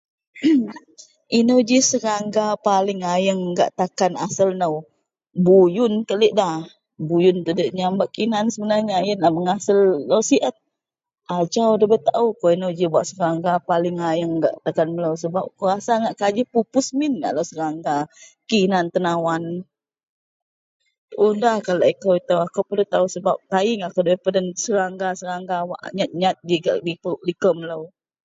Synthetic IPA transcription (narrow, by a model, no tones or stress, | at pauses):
inəd͡ʒisəɾaŋɡapalɪŋajəŋɡa̰ʔt̪akanasəlnəw | bujʊnkəliʔdah | bujʊnt̪ədəʔɲambaʔkinansəbənarɲaːjənlahməŋasəlːəwsiʔət̪̚ | ʔad͡ʒawdəbət̪aukoinəd͡ʒibuaʔsəɾaŋɡapalɪŋajəŋɡa̰ʔt̪akanmələws̬əbap̚kuɾasaŋaʔkad͡ʒəpupʊsmɪnɡa̰ʔlawsəɾaŋɡakinant̪ənawan | ʔudahkaloʔikəwit̪awakowpədət̪ausəbap̚t̪aiŋakowdəbəpədənsəɾaŋɡasəɾaŋɡawa̰ʔɲat̪̚ɲat̪̚d͡ʒiɡa̰ʔɡipʔlikəmələw